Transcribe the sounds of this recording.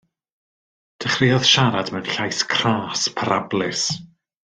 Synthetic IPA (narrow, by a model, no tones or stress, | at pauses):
d̥əχrɪjɔðʃaɾadmɛnɬajskʰraːspʰaɾablɪs